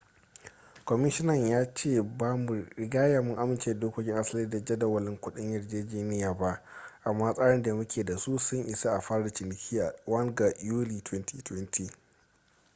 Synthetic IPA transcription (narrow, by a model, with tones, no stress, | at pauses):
kʷɔ˨mɪ˦ʃɪ˦nɐ˨ɲjaː˦t͡ʃeː˦˨baː˦mu˨ɾɪ˨ɡaː˦jaː˨mʊ˦ŋʔa˦mɪ˦nt͡ʃeː˨da˨doː˦kʷo˦kʲɪ˦ŋʔa˦sliː˦da˨d͡ʒɐ˦da˨wɐ˨lɪ˦ŋkʷʊ˦ɗɪ˦ɲjɐ˨rd͡ʒeː˦d͡ʒeː˦nɪ˦jaː˨ba˦ʔ | ʔa˨mːaː˦sʼaː˦ɽɪ˦nda˨mʊ˦kʲʰeː˨da˨su˦sʊ˦ŋʔɪ˨sa˦ʔa˨ɸaː˦ɽa˨t͡ʃɪ˨nɪ˨kʲʰiː˦a˨wɐ˦ŋɡa˨juː˦li˨tʰwɛ˦nti˦twɛ˦ntʰiː˨